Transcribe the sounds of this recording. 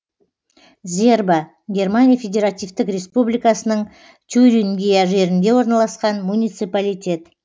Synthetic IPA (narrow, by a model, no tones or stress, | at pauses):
zʲe̞rbə | ɡʲe̞rmanʲijafʲe̞dʲe̞ɾat̪ʲijft̪ɪkɾʲe̞spublijkasənəɴ | t̪ʲʰyɾʲiŋɡʲijaʒe̞ɾɪnd̪e̞wo̞ɾnɑlˠɑsqɑnmunʲijt̪sɨpalʲijt̪ʲe̞t̪